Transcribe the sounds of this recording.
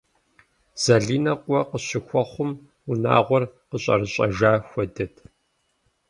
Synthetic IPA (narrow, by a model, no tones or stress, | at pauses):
z̥ɐɮiːnɐqʷʼɔqəɕɪxʷɔχʷʊm | una̰ːʁʷɔrqəɕʼɐ̰rɨɕʼɐʒaːxʷɔdɐtʰ